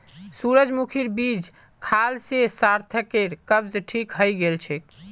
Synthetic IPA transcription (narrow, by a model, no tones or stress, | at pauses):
suɾəd͡ʒmukʰiɾbid͡ʒ | kʰalsesaɾt̪ʰəkeɾkəbd͡ʒʈʰikɦəjɡelt͡ʃʰɛk